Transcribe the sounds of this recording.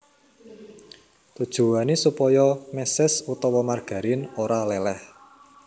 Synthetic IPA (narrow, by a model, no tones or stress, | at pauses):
t̪ud̥ʒ̥ṳwanisupɔjɔmɛsɪsut̪ɔwɔmarɡ̥a̤ɾɪnoɾalɛlɛh